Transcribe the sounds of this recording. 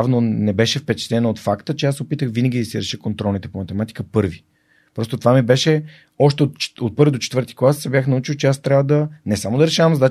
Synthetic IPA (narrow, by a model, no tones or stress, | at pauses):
avnonɛbɛʃɛfpɛt͡ʃɛ̥t̪ɛnɐot̪fakt̪ət͡ʃɛasɛopit̪əxvinəɡʲid̪ɐsiɾɛʃəkont̪ɾɔlnit̪ɛpomɐt̪ɛmat̪i̥kəpɤɾvi | pɾɔst̪ot̪ovamibɛʃɛ | ɔʃt̪ɛot̪t͡ʃot̪̚pɤɾvid̪ot͡ʃɛt̪vɤɾt̪i̥klˠassɛbjaxnɐut͡ʃiwt͡ʃɛast̪ɾʲavəd̪ɐnɛsamod̪ɐɾɛʃavəmzɐd̪a